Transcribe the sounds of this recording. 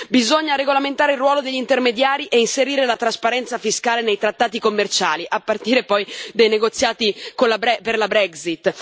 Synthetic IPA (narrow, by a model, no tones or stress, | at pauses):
bizoɲːaɾeɡolament̪aːɾeilrːwɔːlod̪eʎːint̪ermed̪jaːɾiʔeinseɾiːɾelat̪ɾaspaɾɛnt̪safiskaːlenejt̪ɾat̪ːaːt̪ikomːert͡ʃa̰ːliʔapːart̪iːɾepɔjd̪ajneɡot̪sːjaːt̪ikonlabɛperlabɾɛksit̪ː